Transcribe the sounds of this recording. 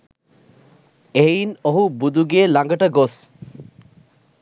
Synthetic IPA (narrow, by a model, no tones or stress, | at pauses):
ejnoɦubud̪ʱuɡeːlaŋɡɐʈɐɡos